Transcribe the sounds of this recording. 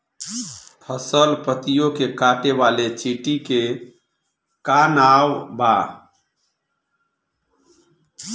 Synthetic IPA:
pʰəsəlpət̪ijokekaʈeʋalet͡ʃiʈike | kanawba

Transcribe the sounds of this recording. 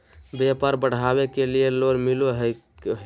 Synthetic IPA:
bepaɾbəɽ̤abekelijeloɾmiloɦə

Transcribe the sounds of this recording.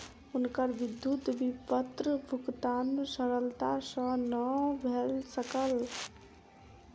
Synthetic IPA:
unkəɾʋid̪jut̪ʋipət̪ɾəbʱukt̪ansəɾəlt̪asə̃nəbʱelsəkəl

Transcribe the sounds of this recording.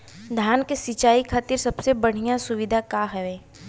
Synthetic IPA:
d̪ʱjaːnkesit͡ʃaːikʰaːt̪iɾsɐbsebɐɽ̤ijasʊʋɪd̪ʱakaɦɛʋeː

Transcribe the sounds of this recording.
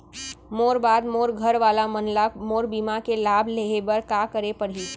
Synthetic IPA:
moːɾbaːd̪moːɾɡʱəɾʋaːlamənlamoːɾbiːmakelaːbʱleɦebəɾkaːkəɾepɐɽ̤i

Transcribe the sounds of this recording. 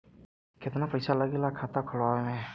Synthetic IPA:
kʰɛt̪anapəjsalaɡilakʰatakʰɔlwaɔmɛ

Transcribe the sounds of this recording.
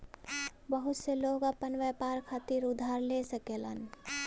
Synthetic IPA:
bəɦʊt̪seloːɡəpənʋepaːɾkʰaːt̪iɾʊd̪ʱaːɾlesəkelə̰n

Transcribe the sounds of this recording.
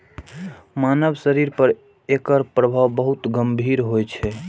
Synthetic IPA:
manəbsəɾiɾpəɾ | ekəɾpɾəbʱaʋbəɦut̪ɡəmbʱiɾɦojt͡ʃʰɛ

